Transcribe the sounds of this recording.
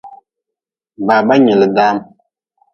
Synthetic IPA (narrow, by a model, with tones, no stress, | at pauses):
baː˨ba˦ɲɪ˨lɨ˨daː˦m